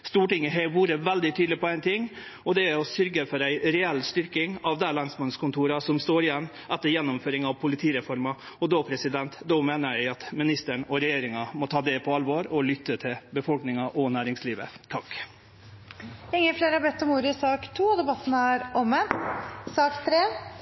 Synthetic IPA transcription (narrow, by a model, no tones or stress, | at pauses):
st̪uːʈɪŋːəɦeʋuːɾəʋæld̪ɪt̪ʰyːd̪lɪpɔæɪnt̪ʰɪŋː | ɔd̪ɛɔsʏɾɡəfɔɾæɪɾɛɛlst̪ʏɾkɪŋɑʋd̪ælɑnsmɑnskʊnt̪ʰuːɾɑsɔmst̪oːɾɪjɛnː | ʔæt̪ːəɾjɛnːʊmføːɾɪŋɑʋpʰʊlɪt̪ʰiːɾɛfɔɾmɑ | ɔd̪ɔpʰɾɛsɪd̪ɛnt̪d̪ɔmeːnəɾjæɪɑt̪mɪnɪst̪əɳɔɾɛjeːɾɪŋɑmɔt̪ʰɑːd̪eːpʰɔɑlʋoːɾɔlʏt̪ːət̪ʰɪlbəfɔlknɪŋɑʔɔnæːɾɪŋsliːʋə̰t̪ʰɑkː | ɪŋːəfleːɾhɑɾbɛt̪ːɔmuːɾɪsɑːkt̪ʰuːɔd̪ɛbɑt̪ːnæɾɔməsɑːkt̪ʰɾeː